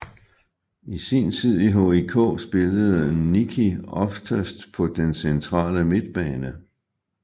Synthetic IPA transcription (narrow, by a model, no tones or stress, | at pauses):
isḭnt͡sʰið̞̰ˠiɦo̝̰ikʰɔ̰ːsb̥e̝ləð̞̩ˠənikʰiɒ̽fdʰæsd̥pʰɒ̽d̥ensent͡sʰʁɑ̰̈ːləme̝d̥b̥ɛːnə